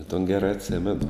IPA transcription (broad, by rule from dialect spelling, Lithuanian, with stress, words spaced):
ɪ toːn ˈɡʲæːrɐ ɐtʲˈsʲæːmʲɛnʊ